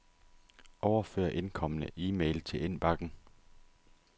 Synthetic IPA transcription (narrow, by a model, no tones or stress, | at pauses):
ʔɒʊɐfø̰ːɐʔe̝nkʰɒ̽mənəʔiːmḛɪlt͡sʰe̝le̝n̰b̥ɑ̈ɡ̥n̩